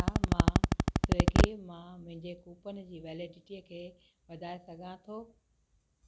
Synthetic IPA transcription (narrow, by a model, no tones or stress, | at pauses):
amãːsʊɡimãmʊ̃ɦɪ̃ɲd͡ʑekuːpənɪ̆d͡ʑiːʋɛːlɪɖɪʈiəkʰeː | ʋɐd̪ʱaːesɐɡʱãt̪ʰoː